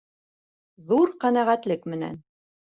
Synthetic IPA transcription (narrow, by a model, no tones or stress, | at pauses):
ðuɾqænæʁæt̪lɘkmɘ̆næ̰n